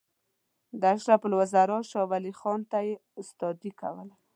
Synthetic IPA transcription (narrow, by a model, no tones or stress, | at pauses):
d̪aʃɾapəlwəzaɾɑʃɑwalixɑnt̪ajeʊst̪ɔd̪ika̰wəla